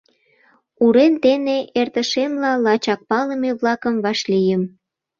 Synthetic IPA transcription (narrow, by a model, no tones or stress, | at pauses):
uɾent̪eneʔert̪əʃemlɑlɑt͡ɕɑk̚pɑləmeβlɑkəmβɑʃlijəm